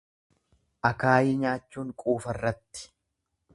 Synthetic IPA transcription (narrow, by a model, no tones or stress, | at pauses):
ʔɐkaːjɪɲaːt͡ʃːuːŋkʼuːfɐrːɐt̪ːɪ̥